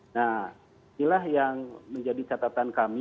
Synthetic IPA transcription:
na | inilahjaŋməɲd͡ʒadit͡ʃat̪at̪ankami

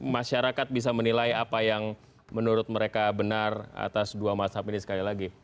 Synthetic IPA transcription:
maʃaɾakat̪̚bis̬amənilaiapajaŋ | mənuɾʊt̪̚məɾekabənara̰t̪asduamasapinisə̥kalilaɡi

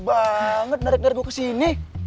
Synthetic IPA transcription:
baŋət̪̚naɾik̚naɾbokasini

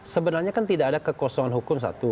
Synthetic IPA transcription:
səbənarɲakant̪idaʔadakəkɔsɔŋanɦukʊms̬a̰t̪u

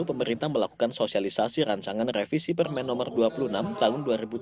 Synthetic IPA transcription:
upəməɾint̪aməlaku̥kansosialisasiɾaɲt͡ʃaŋanrefisipərmɛnːɔmərduapulunamt̪aɦʊnduaɾibu

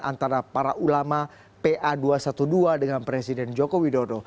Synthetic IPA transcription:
ʔa̰nt̪aɾapaɾaʔulama | peʔaduasat̪uduadəŋanpɾesidɛnd͡ʒokowidodo

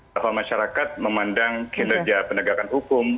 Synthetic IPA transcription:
afamaʃaɾakat̪̚məmandaŋkʰinərd͡ʒapənəɡakanɦukʊm

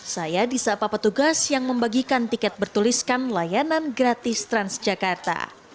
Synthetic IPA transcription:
sajadisapapət̪uɡasjaŋməmbaɡikant̪ikɛt̪̚bərt̪uliskanlajananɡɾat̪ɪst̪ɾansd͡ʒakart̪a̰

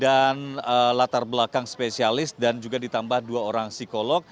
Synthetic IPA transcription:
danəlat̪arbəlakaŋspesialɪsdand͡ʒuɡadit̪ambahduaoɾaŋsikolɔk̚

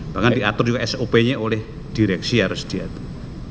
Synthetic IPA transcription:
b̥aŋand̪iat̪ʊrd͡ʒukaʔɛsopeɲeolɛh | d̪̥iɾɛksiaɾʊsd̪̥iat̪

